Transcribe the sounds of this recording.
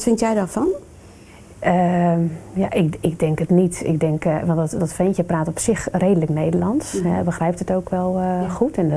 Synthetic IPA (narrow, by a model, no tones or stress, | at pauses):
tfɪntjɛjdɔfɔn | ə | ja̰ʔɪkɪɡ̚dɛŋkətnitɪ̰ɡ̚dɛŋkʋɑntdɔtfɪntjəpraːtɔpsɪxreːdələkneːdəlɑntsɦɛ̰bəxrɛjp̚tətoːwkʋɛlˠxutʰɛn